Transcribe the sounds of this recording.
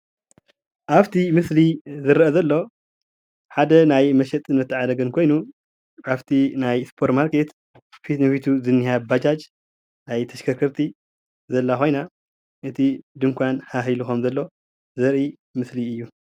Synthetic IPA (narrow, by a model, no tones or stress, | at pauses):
ʔaβt̪ʰimɨslizɨɾʔɐzɐlːo̞ | ħad̪ɐnajmɐʃɛt̪ʼɨnːɐt̪ʰːɨʕad̪ɐɡɐnkʰo̞jnu | aβt̪ʰinajspʰoɾt̪maɾke̞t̪ | fit̪nɨfit̪ʰuzɨnːihabat͡ʃat͡ʃʼ | najt̪ʰɐʃkʰɐkʰɐɾt̪ʰi | zɐlːaxʰo̞jna | ʔɨt̪ʰid̪ɨŋkʷanhaxiluxomzɐlːo̞ | zɐɾʔi | mɨsliɨjːu